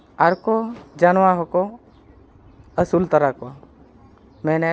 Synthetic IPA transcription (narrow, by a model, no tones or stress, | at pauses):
aɾkod͡ʒanʋaɦoko | əsult̪əɾako | mẽːne